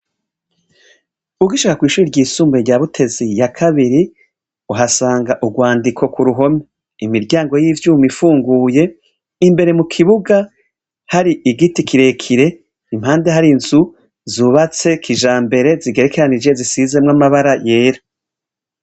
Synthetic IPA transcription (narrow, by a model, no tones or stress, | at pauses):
uɡiʃakakwiːʃuɾiɾɟiːsuːmbeɾɟaːβutʰe̞zijakʰaβiɾi | uɦasaːŋɡaʔuɡwaːndikʰo̞kuɾuɦo̞me | imiɾɟaːŋɡo̞jiːvjuːmifuːŋɡuːje̞ | imbe̞ɾe̞mukʰiβuɡa | haɾiʔiɡitikiɾe̞kʰiɾe̞ | imhaːnde̞ɦaɾinz̥u | zuβat͡se̞kʰiʒaːmbe̞ɾe̞ziɡe̞ɾekeɾanid͡ʒe̞zisize̞mŋamaβaɾaje̞ːɾa